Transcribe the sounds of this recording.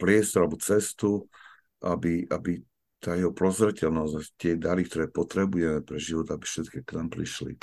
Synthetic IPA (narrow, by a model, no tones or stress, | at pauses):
pɾɪɛst̪ɔɾalbɔt͡sɛst̪u | ʔabiʔabi | t̪aːjɛɦɔpɾɔzɾɛcɛlnɔzat̪ɪɛd̪aɾik̚t̪ɔɾɛːpɔt̪ɾɛbujɛmɛpɾɛʒiʋɔt̪aabifʃɛt̪kɛknaːmpɾḭʃlḭ